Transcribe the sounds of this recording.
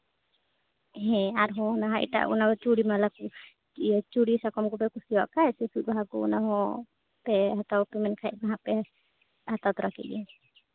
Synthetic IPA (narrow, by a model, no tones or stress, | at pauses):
ɦɛ̃aɾɦɔ̃naɦãḭʈa̰ṵnakɔt͡ʃuɽimalaku | t͡ʃuɽisakɔmɡɔpɛkusiwaʔkaɛsɛsut̪̚baɦakṵnaɦɔ̃ | pɛɦat̪awpɛmɛnkʰajʔbaɦãpɛ | hat̪at̪ɾakḭd͡ʒɛ